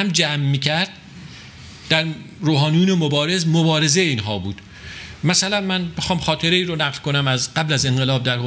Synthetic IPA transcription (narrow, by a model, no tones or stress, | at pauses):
æmd͡ʒæmːiːcʰæɾd̪̥̚ | d̥̪æɾɾoːɦɒːnijuːnemobɒːɾe̞zmobɒːɾe̞zeiːnɦɒːbuːd̪̥ | mæsælænmænbexɒːmxɒːt̪ʰe̞ɾe̞iːɾonæɣlkonæmæzɢæblæze̞ŋɢelɒːb̚d̪æɾho